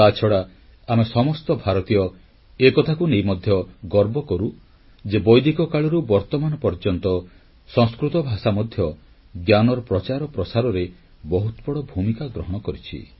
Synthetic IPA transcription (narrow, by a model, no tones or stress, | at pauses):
t̪at͡ʃʰɔɽa | amesɔmɔst̪ɔbʱaɾɔt̪ijɔ | ekɔt̪ʰakunejmɔd̪ʱjɔɡɔɾbɔkɔɾu | d͡ʒebɔjd̪ikɔkaɭɔɾubɔɾt̪ɔmanɔpɔɾd͡ʒɔnt̪ɔ | sɔ̃ŋskɾut̪ɔbʱasamɔd̪ʱjɔ | ɡjanɔɾɔpɾɔt͡ʃaɾɔpɾɔsaɾɔɾe | bɔɦut̪ɔbɔɽɔbʱumikaɡɾɔɦɔɽ̃ɔkɔɾit͡ʃʰḭ